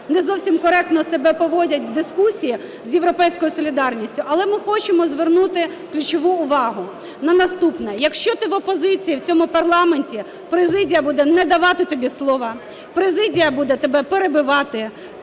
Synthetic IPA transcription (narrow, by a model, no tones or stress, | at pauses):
nɛzɔwsʲimkɔɾɛk̚t̪nɔsebɛpɔʋɔdʲɐtʲʋd̪ɪskusʲiji | zʲjewɾɔpɛjsʲkɔjʊsɔlʲid̪ɑrnʲisʲtʲʊʔɐlˠɛmɪxɔt͡ʃɪmɔzʋernut̪ɪ | klʲʊt͡ʃɔʋuʊʋɑɦʊ | nɐnɐst̪upnɛjɐkʃt͡ʃɔt̪ɪʋɔpɔzɪt͡sʲijiwt͡sʲɔmʊpɐrlˠɑmenʲtʲi | pɾezɪdʲijɐbud̪ɛnɛd̪ɐʋɑt̪ɪt̪ɔbʲislˠɔʋɐ | pɾezɪdʲijɐbud̪ɛt̪ebɛpeɾebɪʋɑt̪ɪ